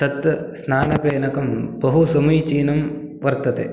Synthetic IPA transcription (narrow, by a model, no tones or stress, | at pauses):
t̪ɐt̪snaːnɐpɾeːɳɐkɐmbɐɦusɐmujt͡ʃiːnɐm | ʋɐɾt̪ɐt̪ḛː